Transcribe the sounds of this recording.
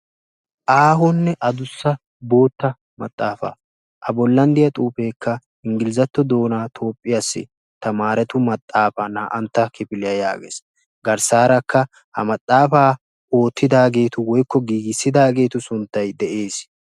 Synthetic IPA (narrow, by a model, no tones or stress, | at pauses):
ʔaːɦɔnːɛʔɐd̪ʊsːɐ | bo̞ːt̪ːɐ | mɐ̰t̪ʼːaːfa̰ | ʔɐbɔlːɐnd̪ɪjɐt̪ʼuːpe̞ːkːɐ | ɪŋɡɪlɪzɐt̪ːɔd̪o̞ːnaːt̪ʰo̞ːpʼːɪjasːɪ̰ | t̪ɐmaːɾɛt̪ʊmɐt̪ʼːaːfɐnaːʔɐnt̪ːɐkɪpɪlɪjɐja̰ːɡḛːs | ɡɐɾsaːɾɐkʰːɐ | hɐ̰mɐt̪ʼːaːfaː | o̞ːt̪ːɪd̪aːɡe̞ːt̪ʊwɔjkːɔɡiːɡɪsːɪd̪aːɡe̞ːt̪ʊsʊnt̪ːɐjd̪ɛʔe̞ːs